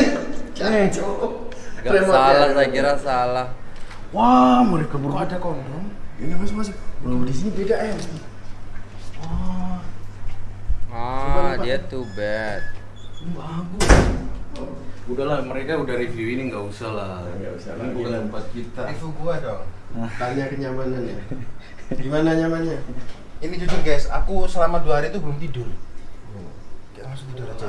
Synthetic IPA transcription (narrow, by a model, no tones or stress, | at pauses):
t͡ʃanat͡ʃo | ɡaamaalasakiɾasalah | wahməɾekabəɾuadakɔndɔŋinamas̬ɪmas̬ibəlawdisinibedaʔja | wa | aadiat̪ubɛt̪̚ | babu | udalaməɾekaudahɾivjuiniŋɡausalaɡa̰usbukapat̪̚kit̪aifukuadɔŋ | baɲakəɲamananja | dimanaɲamaɲa | inid͡ʒud͡ʒuɡasakusəlamaduaɦaɾit̪ubəlʊmt̪idʊr | kit̪amasʊk̚t̪idʊɾad͡ʒa